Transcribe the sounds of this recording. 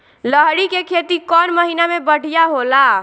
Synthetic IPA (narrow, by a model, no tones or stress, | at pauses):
ləɦɽikekʰet̪ikɔnməɦinamebəɽ̤ijaɦola